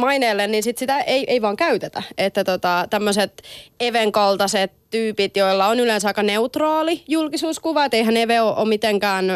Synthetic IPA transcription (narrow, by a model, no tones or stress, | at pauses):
mɑineːlːenninsit̪sit̪æʔeiʔeiʋɑːŋkæyt̪et̪æ̰et̪ːæt̪ot̪ɑt̪æmːøset̪eʋeŋkɑlt̪ɑset̪t̪yːpit̪joilːɑonylẽnsɑijkɑneut̪rɑːlijulkisuːskuʋɑet̪eiɦæneʋeoʔo̰mit̪eŋkæːn